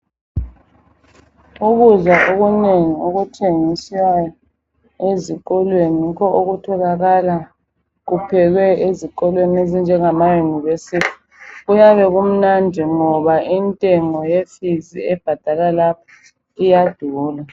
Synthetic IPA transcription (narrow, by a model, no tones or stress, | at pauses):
uɣuzwaʔoɣuneŋiuɣutʰeŋisajɔ | eziɣɔlwenikɔʔoɣutʰɔlaɣala | ɣupʰɛɣwɛeziǃɔlweniezind͡ʒʱɛŋamajuniβesitʰi̥ | ɣujaβɛɣum̩nandʱɛŋɔβaʔintʼɛŋɔjefizḭɛb̥ʱad̥ʱalalapʰɔ̥ | ijad̥ʱuːla